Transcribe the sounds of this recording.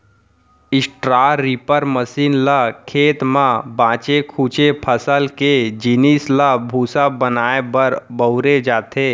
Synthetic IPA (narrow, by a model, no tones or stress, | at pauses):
ɪsʈɾaːɾiːpəɾməsiːnlakʰeːt̪mãbãːt͡ʃekʰuːt͡ʃepʰəsəlked͡ʒinislabʱuːsabənaːebəɾbəʊɾed͡ʒaːt̪ʰe